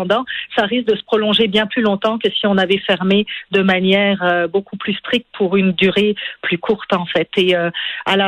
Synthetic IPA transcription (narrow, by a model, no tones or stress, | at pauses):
d̪ɑ̃saʁis̬k̚d̪əsə̥pχɔlɔ̃ʒebjɛ̃plylɔ̃t̪ɑ̃kəsiɔ̃navɛfɛʁmed̪əmanjɛːʁøbokuplyst̪χik̚t̪̚pʰuʁynd̪yʁeplykʰuʁt̪ɑ̃fɛt̪eøala